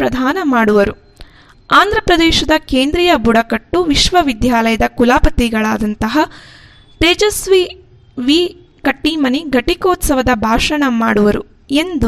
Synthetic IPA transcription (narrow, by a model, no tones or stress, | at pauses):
pɾɐd̪ʱaːnɐmaːɽuʋɐɾu | aːnd̪ʱɾɐpɾɐd̪ɛːʃɐd̪ɐkeːnd̪ɾijɐbuɽɐkɐʈːuʋiʃʋɐʋid̪jaːlɐjɐd̪ɐkulaːpɐt̪iɡɐɭaːd̪ɐnt̪ɐɦɐ | t̪eːd͡ʒɐsʋi | ʋiː | kɐʈːiːmɐniɡɐʈikoːt̪sɐʋɐd̪ɐbʱaːʂɐɳɐmaːɽuʋɐɾu | e̞nd̪u